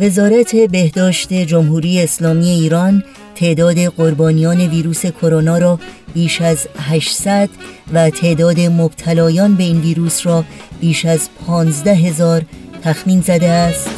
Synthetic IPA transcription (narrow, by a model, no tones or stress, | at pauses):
ve̞zɒːɾæt̪ʰe̞be̞hd̪ɒːʃt̪e̞d͡ʒo̞mɦuːɾiːjeːslɒːmiːe̞iːɾɒn | t̪ʰe̞ʔd̪ɒːd̪e̞ɢoɾbɒːnijɒːne̞viːɾuːse̞kʰo̞ɾonɒːɾɒːb̥iːʃæzɦæʃsæd̪̥væt̪ʰe̞ʔd̪ɒːd̪e̞mob̥t̪ʰælɒːjɒːnbe̞iːnviːɾuːsrɒːb̥iːʃæzpʰɒːnzd̪æɦe̞zɒːɾt̪ʰæxmiːnzæd̪eæst̪